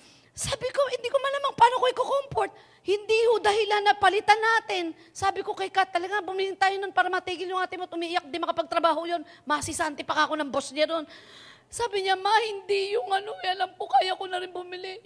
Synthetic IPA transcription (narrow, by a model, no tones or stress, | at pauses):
saːbɪko̞hɪnd̪iːkomɐnlaːmaŋpaːnokoʔɪkokompoɾt̪̚ | hɪnd̪iːhod̪ɐhɪlanːɐpɐlɪt̪anːaːt̪ɪn | saːbɪko̞kɐjkat̪ːɐlɐɡaŋbʊmɪlɪnt̪aːjononpaːɾɐmɐt̪iːɡɪljʊŋʔaːt̪ɪŋmot̪ʔʊmiʔɪjak̚d̪ɪmɐkɐpɐɡ̚t̪ɾɐbaːhojonmɐsɪsaʔnt̪ɪpɐkako̞nɐŋbosɲad̪o̞n | saːbɪɲamɐhɪnd̪ijʊŋɐnoʔɛʔɐlampokaːjakonɐɾɪnbʊmɪlɪ